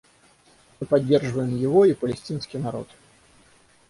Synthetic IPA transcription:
mɨpad͡zʲːɛrʐvɐjɛmjiɣɔipɐlʲɛsʲt̪ʲinsʲkʲinaɾɔ̰t̪

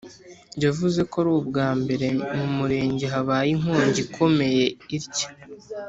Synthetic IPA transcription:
ɲɟavuze̞ko̞ɾuːbɡaːmbe̞ɾe̞mumuɾe̞ːɲɟeɦaβaːjiŋoːɲɟikʰo̞me̞je̞iɾcḁ

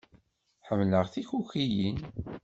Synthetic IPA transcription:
ħəmːləʁθiçuçijin

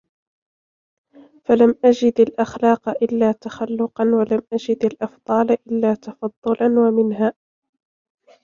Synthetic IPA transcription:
falamʔad͡ʒɪd̪alʔɑxlɑːqɑʔɪlːaːt̪axalːʊqɑnwalamʔad͡ʒɪd̪alʔɑfd̪ˤɑːlʔɪlːaːt̪ɑfɑd̪ˤːʊlanwamɪnɦaː

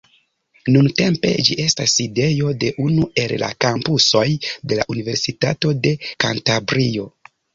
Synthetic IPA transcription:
nunte̞mpe̞̰d͡ʒiʔe̞stasːide̞jo̞de̞ʔunue̞lla̰kampuso̞jde̞la̰ʔunive̞ɾsitato̞de̞kantabɾio̞

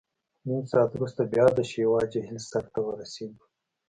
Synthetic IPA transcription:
ninsɑːt̪wɾust̪abjɑːd̪əʃeːwɑːd͡ʒeɦɪlsaxt̪awəɾaseːɡ̪u

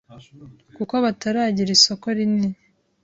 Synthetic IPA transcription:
kukoβataɾaːɟiɾiso̞ko̞ɾini

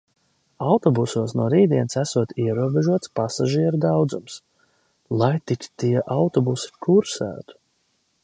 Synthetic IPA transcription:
awt̪ɔbusuːsnuɔɾiːd̪iɛnsæsuɔt̪iɛɾuɔbeʒuɔt̪spasaʒiɛɾud̪awd̪zums | lˠajt̪ik̪ʲt̪iɛʔawt̪ɔbusi̥kʰuɾsæ̰ːt̪u̥

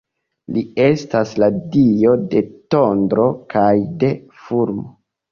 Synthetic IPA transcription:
lie̞stasladio̞de̞to̞ndɾo̞kʰajde̞ | fuɾmo

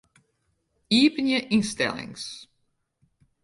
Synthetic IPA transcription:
iːpənjəʔinstɛ̰lˠɪ̰ŋs

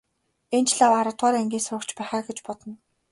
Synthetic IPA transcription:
ent͡ɕɮawaɾə̆t̪ʁaːɾeŋɡʲiːnsʊːkt͡ɕpæːχaːɡet͡ɕpɔt̪ɞ̆n

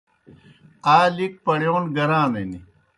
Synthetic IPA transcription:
aːlik̚pɐɽjoːnɡɐɾãːneni

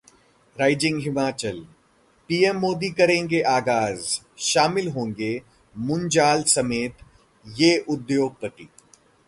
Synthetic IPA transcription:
ɾaːɪd͡ʒɪ̃ŋɡɦɪmaːt͡ʃəl | piːɛmːoːd̪ikɐɾẽːŋɡeʔaːɡaːz | ʃaːmɪlɦõːŋɡe | mʊ̃nd͡ʒaːlsɐmeːt̪ | jeːʔʊd̪joːɡ̚pɐt̪ḭː

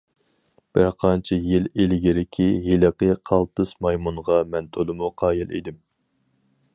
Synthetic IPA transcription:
b̥ɪɾqʰɑnt͡ʃʰijɪlelɪɡʲiɾɪkʲʰiɦeləqəqʰɑlˠt̪ɨsmɑjmunʁɑmɛnt̪ʰolˠɨmuqʰɑːjilˠḛd̪ɪm

